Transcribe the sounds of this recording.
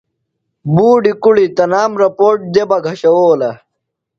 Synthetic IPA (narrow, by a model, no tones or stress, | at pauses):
buːɖikuɽit̪ɐnaːmɾɐpoːʈ̚d̪ebɐɡʱɐɕɐwoːlɐ